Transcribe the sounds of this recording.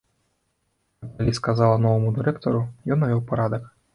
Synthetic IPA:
jakːalʲiskazalˠɐnɔvɐmud̪ɨɾɛkt̪ɔɾujɔnːavʲɔwpaɾad̪ɐk

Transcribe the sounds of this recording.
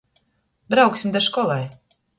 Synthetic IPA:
b̪ɾawksʲimd̪aʃkɔlˠaj

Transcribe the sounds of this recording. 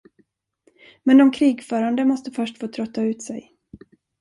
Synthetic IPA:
mɛnd̪ɔmkʰɾiːɡfœːɾand̪əmɔst̪əfœʂʈfoːt̪ʰɾœt̪ːaʉ̟ːt̪sɛ̰j

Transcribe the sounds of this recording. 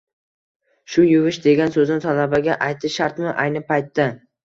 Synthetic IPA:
ʃʊjʊvɪʃd̪e̞ɡʲansɵznɪt̪ʰalabaɡʲaʔajt̪ːɪʃaɾt̪mɪʔajnɪpʰajt̪ːa

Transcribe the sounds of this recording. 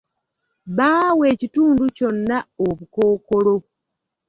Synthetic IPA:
βaːwe̞ːcituːnduco̞nːaoβuko̞ːko̞lo̞

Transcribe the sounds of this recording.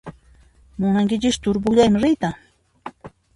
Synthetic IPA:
mʊnaŋkɪt͡ʃɪʃt̪ʊɾbʊʎajmɪɾɪjt̪a

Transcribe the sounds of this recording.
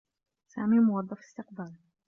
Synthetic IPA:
sa̰ːmiːmʊwɑd̪ˤːɑfɪ̥st̪ɪqbaːl

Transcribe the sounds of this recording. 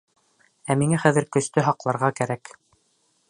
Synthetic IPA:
æmiŋæχæðɘ̆ɾkɵ̆st̪ɵɦɑqlˠɑɾʁɑkæɾæk

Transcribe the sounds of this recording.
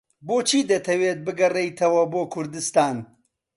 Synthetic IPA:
boːt͡ʃʰiːd̪ɐt̪ʰɐweːt̪̚bɨɡɐrejt̪ʰɐwɐboːkʰʊɾd̪ɨst̪aːn

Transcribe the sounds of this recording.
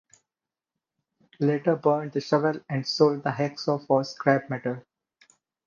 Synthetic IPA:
leːʈəɾbəːɾɳd̪əʃʌʋəlæ̃ɳɖsoːlɖ̚d̪əɦɛksɔːfɔːskɾæbmɛʈəl

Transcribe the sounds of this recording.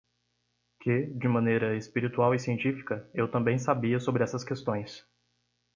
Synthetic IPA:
kɪd͡ʒɪmɐ̃nejɾɐespiɾit̪uawɪsiẽnt͡ʃifi̥kɐewt̪ɐ̃mbẽj̃sabiɐsobɾɪɛsɐskest̪õj̃s

